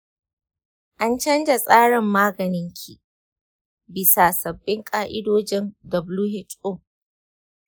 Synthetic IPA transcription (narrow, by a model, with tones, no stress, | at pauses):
ʔa˦nt͡ʃɐ˦nd͡ʒa˨sʼaː˦ɽɪ˨mːaː˦ɡɐ˨nɪ˦ŋkʲʰi˨ | bɪ˨sa˨sɐ˨bːɪ˦ŋkʼaː˦ʔɪ˦doː˦d͡ʒɪ˦ndɐ˨bluː˦ɦɛ˦tʊ˦˨m